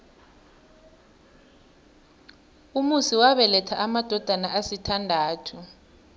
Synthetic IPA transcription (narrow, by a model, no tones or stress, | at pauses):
umusiwaɓɛlɛtʰaʔamad̥ʱɔd̥ʱanaʔasitʰandʱaːtʰu